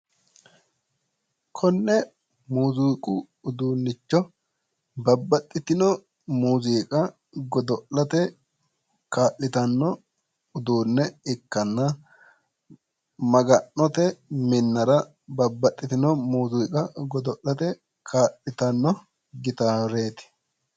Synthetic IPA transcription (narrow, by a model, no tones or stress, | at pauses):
kʰɔnːɛ | muːzukʼʊ | ʊd̪uːnːɪt͡ʃːɔ | bɐbːɐt̪ʼːɪt̪ɪnɔ | muːziːkʼɐ | ɡɔd̪ɔʔlɐt̪ɛ | kaːʔːɪt̪ɐnːɔ | ʊd̪uːnːɛɪkːɐnːɐ | mɐɡɐnːɔt̪ɛmɪnːɐɾɐ | bɐbːɐt̪ʼːɪt̪ɪnɔmuːzuːkʼɐɡɔd̪ɔʔlɐt̪ɛ | kʰaːʔɪt̪ɐnːɔ | ɡɪt̪aːɾeːt̪ɪ̥